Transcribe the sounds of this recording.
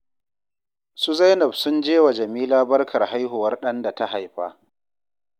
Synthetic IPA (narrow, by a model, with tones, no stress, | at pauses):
su˦za˦jnɐ˨bsʊ˦nd͡ʒeː˦wa˨d͡ʒɐ˨miː˦laː˦bɐ˦rkʰɐ˨rha˦jɦʊ˨wɐ˦rɗɐ˦nda˨ta˦ɦa˨jɸaː˦